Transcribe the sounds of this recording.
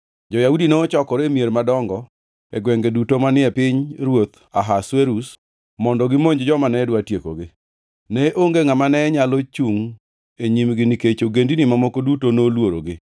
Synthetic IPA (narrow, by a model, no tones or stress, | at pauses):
d͡ʒɔjaudinoːt͡ʃɔkɔɾemjeɾmadɔŋɡɔ | ɛɡwɛŋɡedutomanɪɛpɪɲɾwot̪ | aɦasweɾus | mɔndɔɡɪmoɲd͡ʒd͡ʒɔmanɛdwatjeko̰ɡɪ | nɛʔoŋɡeŋamanɛɲalot͡ʃuŋ | eɲimɡɪniket͡ʃoɡendinimamɔkodutonolwoɾoɡɪ